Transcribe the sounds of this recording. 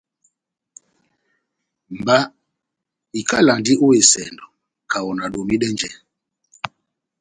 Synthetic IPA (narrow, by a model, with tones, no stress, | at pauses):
m̩˨ba˦ | i˨ka˦la˨ndi˦ʔo˦e˨sɛ̰˨ndɔ˨ | kʰa˨wɔ˨na˨ɗo˨mi˦ɗɛ˦nd͡ʒɛ˦